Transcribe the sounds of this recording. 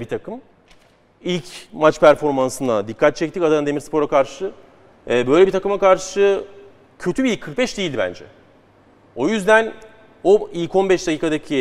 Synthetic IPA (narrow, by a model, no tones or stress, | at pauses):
bit̪ʰakʰɯm | ilʲcmat͡ʃpʰæɾfo̞ɾmansɯnd̪ad̪ikʰːat̪̚t͡ʃʰɛc̚t̪ʰicad̪aɯnd̪emiɾspʰo̞ɾakʰaɾʃɯ | ɛbø̞jlʲebit̪ʰakɯmakʰaɾʃɯ | cʰø̞t̪ʰybilʲkʰːɯɾk̚bɛʃd̪eilʲd̪ibæ̰nd͡ʒɛ̰ | o̞jyzd̪æn | oilʲko̞nbɛʃd̪acʲʰiːkad̪acʰi